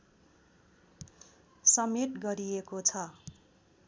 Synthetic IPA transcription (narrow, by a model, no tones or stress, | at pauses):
sʌmeʈɡʌɾiekot͡sʰʌ